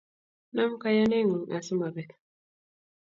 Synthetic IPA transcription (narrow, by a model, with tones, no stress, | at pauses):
na˦m̩˦ka˨ja˦ne˦ŋu˨ŋ˨a˨su˦ma˨bɛ˨tḁ